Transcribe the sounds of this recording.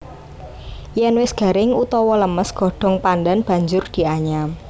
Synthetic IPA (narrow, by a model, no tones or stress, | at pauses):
jɛnwɪsɡ̥a̤ɾɪŋut̪ɔwɔləməsɡ̥ɔ̤ɖ̥ɔ̤ŋpandanb̥ä̤ɲd͡ʒʊrd̪̥i̤aɲam